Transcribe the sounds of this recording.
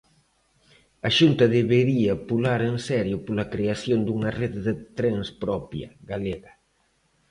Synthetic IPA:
ɐʃunt̪ɐðeβeɾiɐpulaɾensɛɾjʊpolɐkɾeasjond̪uŋɐreððɪt̪ɾeŋspɾɔpjɐ̰ɣaleɣɐ

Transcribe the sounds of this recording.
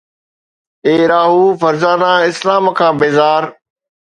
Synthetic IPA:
eːɾaːɦuːfɐɾzaːnaɪslaːmkʰãːbeːzaːɾ

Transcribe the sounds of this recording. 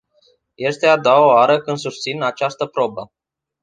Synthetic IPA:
je̞st̪e̞ad̪oaoaɾəkɨnd̪sust̪sinat͡ʃast̪əpɾo̞bə

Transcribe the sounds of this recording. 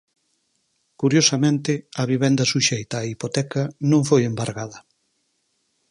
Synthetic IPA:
kuɾjosɐmẽnt̪ɪɐβ̞iβɛnd̪ɐsuʃejt̪ɐːipot̪ɛkɐnõŋfojembaɾɣað̞ɐ

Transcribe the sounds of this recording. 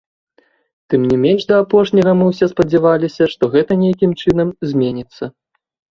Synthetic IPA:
t̪ɨmnʲimʲenʂd̪ɐapɔʂnʲɐɣɐmɨwsʲɛspɐd͡zʲɛvalʲisʲɐʂt̪ɔɣɛt̪ɐnʲejakʲimt͡ʂɨnɐmzʲmʲenʲit̪sːɐ

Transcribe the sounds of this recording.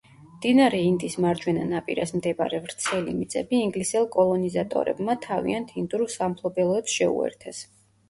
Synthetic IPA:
md̪̥inaɾɛind̪ʼismaɾd͡ʒwɛnanapʼiɾasmd̪ɛba̰ɾɛvɾt̪sʰɛlḭmit̪sʼɛbiːŋɡlisɛlˠkʼɔlˠɔnizat̪ʼɔ̰ɾɛ̰bmat̪ʰavḭant̪ʰind̪uɾusampʰlˠɔbɛlˠɔɛt̪sʃɛṵɛ̰ɾt̪ʰɛs

